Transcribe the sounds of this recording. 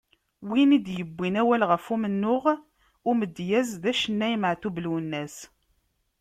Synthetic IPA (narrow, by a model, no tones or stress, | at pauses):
winid̪jəbʷːinæwælʁəfumənːʊʁ | ʊməd̪ːjæzðæʃənːæjməʕθubluwənːæs